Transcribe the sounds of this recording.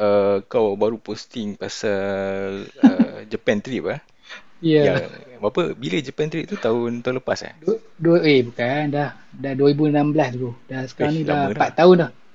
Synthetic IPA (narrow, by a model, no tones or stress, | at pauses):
əkawbaɾupost̪iŋpasa | əd͡ʒəpɛnt̪ɾiʔpah | jaabapəbilad͡ʒəpɛnt̪ɾiʔt̪ut̪aʊnt̪aũləpasa̰dduəebukandah | daduəɾibunãmblasd̪uɡudasə̥kaɾaŋnĩdadpat̪ːaʊndah